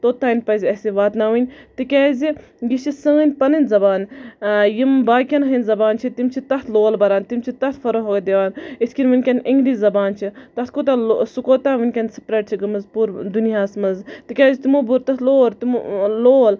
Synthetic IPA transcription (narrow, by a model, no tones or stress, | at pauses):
t̪oːt̪aːnʲpɐzʲɐsiʋaːt̪nɐʋɨnʲt̪ikʲaːzi | ɡit͡ʃisəːnʲpɐnɨnʲzɐbaːnjimbaːkʲɐnɦinʲzɐbaːnt͡ʃʰit̪imt͡ʃʰit̪ɐt̪ʰloːlbɐɾaːnt̪imt͡ʃʰit̪ɐt̪ʰfɐɾoɦoɡɐd̪eʋaːnit̪ʰʲkʲinʲʋɨnʲkʲɐnʔiŋɡdizɐbaːnt͡ʃʰit̪ɐt̪ʰkoːt̪alsukoːt̪aːʋɨnʲkʲɐnsi̥pɾeʈ̚t͡ʃʰiɡɐmɨzpuɾd̪unijaːsmɐzt̪ikʲaːzʲit̪imobuɾt̪ɐt̪ʰloːɾt̪imloːl